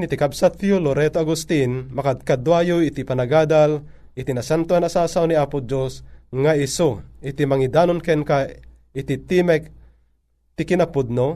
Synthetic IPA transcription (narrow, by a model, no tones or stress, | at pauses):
nit̪ikabsat̪joloɾɛt̪oaɡʊst̪inmɐkad̪̚kad̪wajoit̪ipɐnaɡaːd̪al | ɪt̪inasant̪oanasaːsawniapʊd͡ʒosŋaɪsoɪt̪imɐŋid̪aːnonkɛnka | ɪt̪it̪imɛk̚ | t̪ikɪnapʊd̪̚no